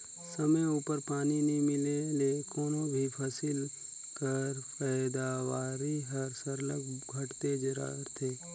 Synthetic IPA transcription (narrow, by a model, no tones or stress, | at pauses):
sɐməjuːpəɾpaːninimɪlelekʰonõbʱipʰɐsɪl | kəɾpɛːd̪aʋaːɾiɦɐɾsəɾləkɡʱɐʈt̪ed͡ʒɐɾa̰ːɾt̪ʰeː